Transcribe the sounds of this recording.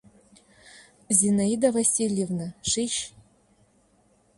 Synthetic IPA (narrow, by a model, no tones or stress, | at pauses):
zʲinaid̪ɐvɐsʲilʲjevnɨʂiʃ